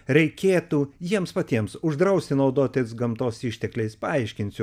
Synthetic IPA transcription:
ɾʲɛɪkʲeːt̪uːjiɛmspɐt̪ʲiɛmsʊʒd̪ɾɐʊsʲt̪ʲɪnɐʊd̪oːt̪ʲesɡɐmt̪oːsiʃʲt̪ʲɛklʲɛɪspɐɐɪʃʲkʲɪnʲsʲʊ

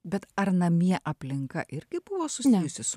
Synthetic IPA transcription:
bʲɛt̪ɐɾnɐmʲiɛʔɐpʲlʲɪŋkɐ̰ʔɪɾʲɡʲɪbʊʋoːsʊsʲnʲɛjʊsʲɪsʊ

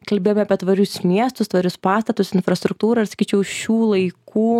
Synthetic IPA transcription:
kɐlʲbʲeːjomʲɛɐpʲiɛt̪ʋɐɾʲʊsmʲiɛst̪ʊst̪ʋɐɾʲʊspɑːst̪ɐt̪ʊsɪnfɾɐst̪ɾʊk̚t̪uːɾɐɪrsɐ̥kʲiːt͡ʃʲɛʊʃʲuːlˠɐɪkʰuː

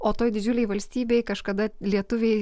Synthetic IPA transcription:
oːt̪oːjd̪ʲɪd͡ʒʲʊlʲɛɪʋɐlʲsʲt̪ʲiːbʲeɪkɐʃkɐd̪ɐlʲiɛt̪ʊʋʲeɪ

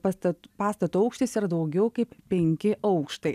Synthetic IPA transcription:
ɐt̪ɐpɑːst̪ɐt̪uːɐʊkʃt̪ʲɐɪsiːɾɐd̪ɐʊɡʲɛʊkɐɪppʲɛŋʲkʲɪʔɐʊkʃt̪ɐɪ

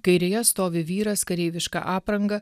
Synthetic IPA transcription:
kɐɪɾʲejɛst̪oːʋʲɪʋʲiːɾɐskɐɾʲɛɪʋʲɪʃkɑ̰ʔɑːpɾɐŋɡɐ

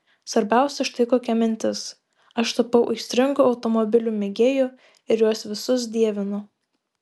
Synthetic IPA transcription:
sʋɐɾʲbʲæˑʊsʲɛʃt̪ɐɪkoːkʲɛmʲɪnʲt̪ʲɪs | ɐʃt̪ɐpɒʊʔɪʃsʲt̪ʲɾʲɪŋɡʊɒʊt̪ɔmɔbʲɪlʲuːmʲɛɡʲeːju | ɪɾjuɔsʋʲɪsʊsd̪ʲiɛʋʲɪnʊ

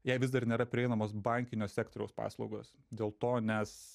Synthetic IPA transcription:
jɛɪʋʲɪzd̪ɐrnʲeːɾɐpʲɾʲɪɛɪnɐmoːs̬bɐŋʲkʲɪnʲoːsʲæːkt̪oɾʲɛʊspɑ̰ːslˠɒʊɡo̰ːs | d̪ʲeːlˠt̪oːnʲɛs

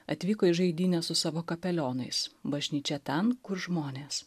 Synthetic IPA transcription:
ɐt̪ʲʋʲiːkoːɪʒɐɪd̪ʲiːnʲɛsʊsɑːʋoːkɐpʲɛlʲoːnɐɪsbɐʒʲnʲiːt͡ʃʲɛt̪ʲɛnkʊɾʒmoːnʲeːs

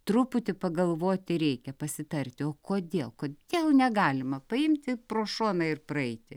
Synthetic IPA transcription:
t̪rʊpʊt̪ʲɪpɐɡɐlˠʋoːt̪ʲɪɾʲɛɪkʲɛpɐsʲɪt̪ɐrʲt̪ʲɪoːkoːd̪ʲeːlˠkoːd̪ʲeːlˠnʲɛɡɑːlʲɪmɐpɐɪmʲt̪ʲɪproːʃoːnɐɪrprɐɛɪt̪ʲɪ

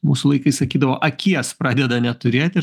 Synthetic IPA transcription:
muːsʊlˠɐɪkɐɪsɐkʲiːd̪ɐʋoːʔɐkʲiɛspɾɑːd̪ʲɛd̪ɐnʲɛt̪ʊɾʲeːt̪ʲɪ

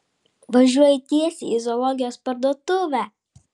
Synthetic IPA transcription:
ʋɐʒʲuɔjɪt̪ʲiɛsʲḭzɔlˠɔɡʲɪjoːspɐɾd̪uɔt̪ʊʋʲæːˑ

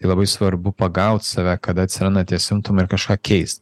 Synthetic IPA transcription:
t̪ɐɪlˠɐbɐɪsʋɐɾbʊpɐɡɐʊt̪ʲsɑːʋʲæːkɐd̪ɐt̪ʲsʲɪɾɑnɐt̪ʲiɛsʲɪmt̪ʊmɐɪɾkɐʃkɑːkʲʰɛɪst̪

